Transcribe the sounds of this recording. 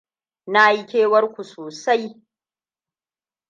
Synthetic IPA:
na˦ʔa˦jkʲeː˦wɐ˦rkʷu˨soː˨sa˦j

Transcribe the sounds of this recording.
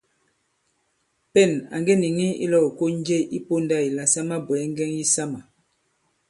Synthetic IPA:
pɛ˦˨na̰˨ŋɡɛ˦ni˨ŋi˦ḭ˦lɔ˦˨o˨ko˦n˦d͡ʒe˦˨ʔi˦po˦nda˦˨i˨la˨sa˦ma˦bwɛ˨ɛ˦ŋ˦ɡɛ˦ŋji˦sa˦ma˨

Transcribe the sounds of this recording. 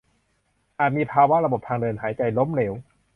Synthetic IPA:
ʔaː˨˩t̪̚miː˧pʰaː˧wa˦˥ɾa˧bo˨˩p̚t̪ʰaː˧ŋdɤː˧nɦaː˩˦jt͡ɕa˧jlo˦˥mleː˩˦w

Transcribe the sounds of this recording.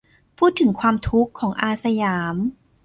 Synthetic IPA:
pʰuː˥˩t̪ʰːɯ˩˦ŋkʰwaː˧mt̪ʰu˦˥kʰːɔː˩˦ŋʔaː˧sa˧jaː˩˦m

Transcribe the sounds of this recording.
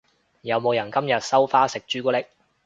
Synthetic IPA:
jɐ˨˧wmo˨˧wjɐ˨˩nkɐ˥mjɐ˨t̚sɐ˥wfaː˥sɪ˨k̚t͡ʃyː˥kuː˥lɪ˥k̚

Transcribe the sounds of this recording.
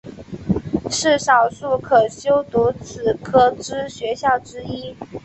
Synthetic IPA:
ʂɻ̩˥˩ʂɑ˨˩ʊʂu˥˩kʰɤ˨˩ɕjo˥ʊt̪u˧˥t͡sʰɹ̩˨˩kʰɤ˥ʈ͡ʂɻ̩˥ɕɥɛ˧˥ɕjɑ˥˩ʊʈ͡ʂɻ̩˥i˥

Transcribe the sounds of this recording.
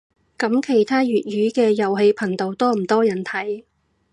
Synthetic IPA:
kɐ˨˥mkʰe˨˩jt̪ʰaː˥ɥyː˨t̚ɥyː˨˥kɛː˧jɐ˨˩wɦe˨˧jpʰɐ˨˩ŋt̪o˨˧wt̪ɔː˥m̩˨˩t̪ɔː˥jɐ˨˩nt̪ʰɐ˨˥j

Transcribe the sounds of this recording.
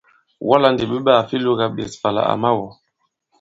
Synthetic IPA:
wʔa˦la˦ndi˨ɓe˦ba˦˨fi˦lu˦ɡa˨ɓḛ˨sfa˨la̰˨a̰˨ma˦wɔ˨

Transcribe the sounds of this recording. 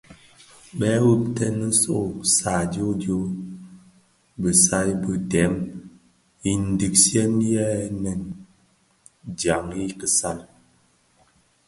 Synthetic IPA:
ɓɛ˦wu˦p̚tɛ˦nə˦so˦˨sa˨djo˦do˦ | bə˨sa˦bə˨dɛ˨˦m | i˨n̩˦di˨k̚sjɛ˦n˦jɛ˦nɛ˨n | d͡ʒja˨ŋi˦kə˨sa˦˨n

